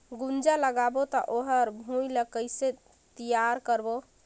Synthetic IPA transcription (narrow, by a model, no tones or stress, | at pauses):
ɡund͡ʒaləɡabot̪ɔʔoɦəɾbʱujləkəjse | t̪ijaɾkəɾbo